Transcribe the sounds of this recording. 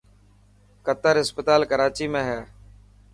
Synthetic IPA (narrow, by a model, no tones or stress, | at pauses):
kət̪əɾɦɪspət̪aːlkəɾaːt͡ʃiːmẽːɦɛː